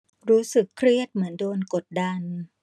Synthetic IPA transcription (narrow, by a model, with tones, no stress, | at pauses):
ɾuː˦˥sɯ˨˩kʰɾi˥˩ət̪̚mɯ˩˦əndoː˧nko˨˩t̪̚da˧n